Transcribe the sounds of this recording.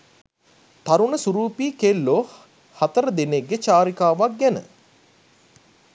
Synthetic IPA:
t̪aɾuɳəsuɾuːpiːkelːoh | hat̪əɾəd̪eneɡːet͡ʃaːɾikaːʋak̚ɡænə̰

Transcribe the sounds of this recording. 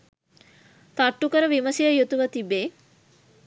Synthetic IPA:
t̪aʈːukəɾəʋiməsijəjut̪uʋət̪ibeː

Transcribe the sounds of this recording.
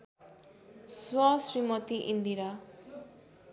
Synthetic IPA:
swʌsrimʌt̪iʔind̪iɾa

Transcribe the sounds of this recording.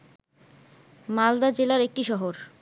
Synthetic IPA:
mald̪ad͡ʑelaɾek̚ʈiʃɔɦoɾ

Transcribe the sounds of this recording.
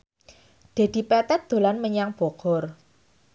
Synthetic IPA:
d̪̥e̤d̪̥i̤pɛt̪ɛt̪̚d̪̥o̤lanməɲaŋb̥ɔ̤ɡ̥ɔr

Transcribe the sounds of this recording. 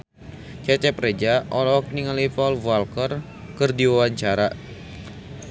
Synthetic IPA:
t͡ʃɛt͡ʃɛpɾed͡ʒaʔɔlɔk̚niŋalipɔlvalkər | kɨrdiwawaɲt͡ʃaɾa

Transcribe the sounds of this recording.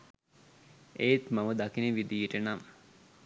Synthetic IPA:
eːt̪maməd̪akinəʋid̪ijeʈənam

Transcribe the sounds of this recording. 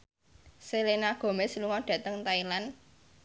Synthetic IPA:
selenaɡ̥o̤mesluŋɔɖ̥ä̤t̪əŋt̪ailan

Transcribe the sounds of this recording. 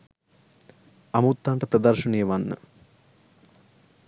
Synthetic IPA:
ɐmuːt̪ːaːɳʈɐpɾɐd̪ɐrʂɐɳijəʋanːə̰

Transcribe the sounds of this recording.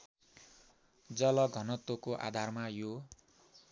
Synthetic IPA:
d͡zʌlʌɡʱʌnʌt̪okoʔa̰d̪ʱarmajo

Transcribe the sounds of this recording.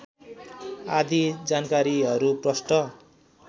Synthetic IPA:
ad̪id͡zankaɾiɦʌɾuprʌsʈʌ

